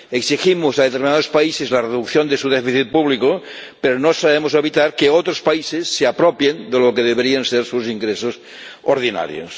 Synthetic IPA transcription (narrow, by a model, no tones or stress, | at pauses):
eksiximosað̞et̪eɾminaðospaisezlareðukθjond̪esuðefiθit̪̚puβliko | peɾonosaβemoseβit̪aɾkeot̪ɾospaisesːeapɾopjend̪elokeðeβeɾienseɾsusiŋɡɾesos | oɾð̞ina̰ɾj̰o̰s